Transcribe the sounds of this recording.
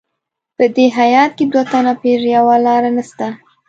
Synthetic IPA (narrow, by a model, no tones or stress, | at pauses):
pəd̪eɦajɑt̪̚ked̪wat̪anapeʒejawalɑɾanəst̪a